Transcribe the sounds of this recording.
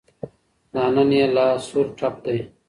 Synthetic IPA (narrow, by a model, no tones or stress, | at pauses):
naːnɐnijɐlaːsuɾʈʰɐp̚d̪ɐj